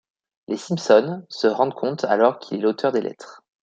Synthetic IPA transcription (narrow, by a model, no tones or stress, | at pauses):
lesimpsɔnsəʁɑ̃d̪kʰɔ̃t̪ʰa̰lɔʁkʲʰilɛlot̪œʁd̪elʔɛ̰t̪χ